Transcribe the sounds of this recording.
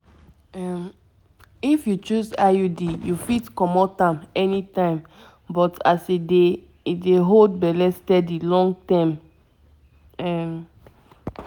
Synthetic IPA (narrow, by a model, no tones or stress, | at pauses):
am | ifjut͡ʃuzajudijufitkɔmɔtãmɛnitãɪ̃m | bɔtʰaside | ideɦold̚bɛlɛstɛdilɔ̃ŋɡtɛ̃m | ɛm